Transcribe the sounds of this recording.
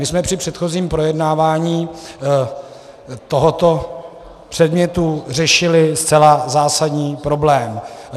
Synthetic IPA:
mɪsmɛpr̝̥ɪpr̝̥ɛt̪xo̞ziːmpɾo̞jɛdnaːvaːɲiː | t̪o̞ɦot̪o̞ | pr̝̥ɛdmɲɛt̪ur̝ɛʃɪlɪst̪t͡sɛlazaːsadɲiːpɾo̞blɛːm

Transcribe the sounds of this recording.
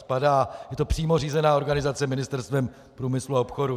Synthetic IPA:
padaːjɛt̪o̞pr̥iːmo̞r̝iːzɛnaːo̞ɾɡanɪzat͡sɛmɪnɪst̪ɛɾst̪vɛm | pɾuːmɪsluao̞pxo̞ɾu

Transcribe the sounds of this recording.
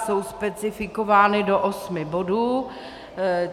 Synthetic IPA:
so̞wspɛt͡sɪfɪkovaːnɪdo̞ʔosmɪbo̞duː

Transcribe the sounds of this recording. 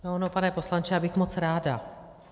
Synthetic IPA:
noanopanɛpo̞slant͡ʃɛjaːbɪxmot͡sɾaːda̰

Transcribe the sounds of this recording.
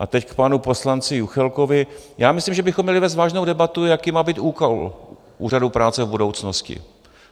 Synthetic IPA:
ʔat̪ɛckpanupo̞slant͡sɪjuxɛlkovɪ | jaːmɪslimʒɛbɪxomːɲɛlɪvɛːst̪vaːʒnowdɛbat̪ujakiːmaːbiːt̪ʔuːkal | ʔṵːradupɾaːt͡sɛvbudo̞wt͡snoscɪ̰

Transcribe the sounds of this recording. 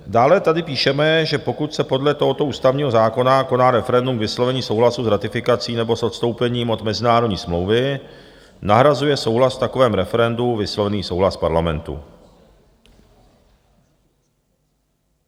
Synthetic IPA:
daːlɛt̪adɪpiːʃɛmɛʒɛpo̞kut̪sɛpo̞dlɛt̪o̞ɦot̪o̞ʔuːst̪avɲiːɦozaːko̞nako̞naɾɛfɛɾɛndumvɪslo̞vɛɲiːso̞wɦlasusɾat̪ɪfɪkat͡siːnɛbo̞sʔo̞t̪st̪o̞wpɛɲiːmʔo̞d̪mɛzɪnaːɾodɲiːsmlowvɪ | naɦɾazujɛso̞wɦlasft̪ako̞vɛːmɾɛfɛɾɛnduvɪslo̞vɛniːsowlaspaɾlamɛnt̪ṵ

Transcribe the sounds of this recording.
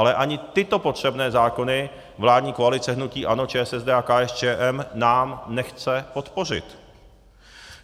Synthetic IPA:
alɛʔaɲɪt̪ɪt̪o̞pot̪r̝̥ɛbnɛːzaːko̞nɪ | vlaːd̪ɲiːkoalɪt͡sɛɦnuciːʔanot͡ʃɛːsɛzdɛːakaʔɛst͡ʃɛːʔɛmnaːmnɛxt͡sɛpo̞t̪po̞r̝ɪ̰t̪

